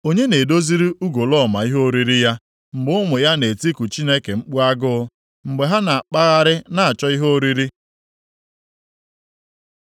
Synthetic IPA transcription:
o˦ɲe˦ne˨do˦zi˦ɾi˦u˦ɡo˨lɔ˦˨ma˨i˦ɦo˦ɾi˦ɾi˦ja˦ | ŋ͡m̩˨ɡ͡bʊ˦mʊ˨ja˦ne˨ti˦ku˨t͡ʃi˦ne˦ke˨ŋ͡m̩˦k͡pu˦a˦ɡʊ˦ | ŋ͡m̩˨ɡ͡be˨ɦa˦na˨a˨k͡pa˦ɣa˦ɾɪ˦na˨a˨t͡ʃɔ˦i˦ɦo˦ɾi˦ɾi˦

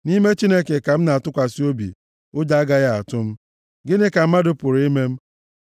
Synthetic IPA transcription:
ni˦me˦t͡ʃi˦ne˦ke˨ka˨m̩˦na˨a˨tʊ˦kʷa˨si˦o˦bḭ˨ | ʊ˦d͡ʒa˦a˦ɡa˦ɣa˦a̰˨tʊ˦m̩˦ | ɡɪ˦nɪ˦ka˨m̩˦ma˦dʊ˨pʊ˨ɾi˦me˦m̩˦

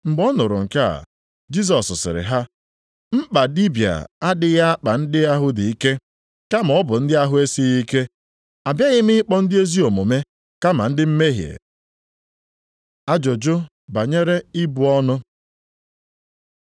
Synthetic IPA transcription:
ŋ͡m̩˨ɡ͡bɔ˦nʊ˨ɾʊ˨ŋ̩˨ka˦a̰˨ | d͡ʒi˦s̬ɔ˨ssɪ̰˨ɾɪ̰˨ɦa˦ | m̩˦k͡pa˨di˦bja̰˨a˦dɪ˨ɣa˦a˦k͡pa˨n̩˦dɪ˦a˦ɦʊ˦di˨i˦ke˦ | ka˦m˨ɔ˦bʊ˨n̩˦dɪ˦a˦ɦʊ˦e˦si˦ɣi˦ke˦ | a˨bja˦ɣɪ˦mɪ˦ɪ˦k͡pɔ˦n̩˦dɪ˦e˦zi˦o˨mo˨me˦ | ka˦ma̰˨n̩˦dɪ˦m̩˦me˦ɦjḛ˨ | a˦d͡ʒo˨d͡ʒʊ˦ | ba˨ɲe˦ɾe˦ɪ˦bʊ˨ɔ˦nʊ˦

